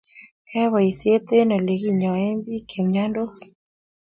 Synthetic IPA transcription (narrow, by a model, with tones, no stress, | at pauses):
kʰɛ˦wɔ˨i˨sje˦t̪e˦nɔ˨le˨ɡi˦˨ɲɔ˨e˦mbi˦kʰe˨mɲa˦ndo˦s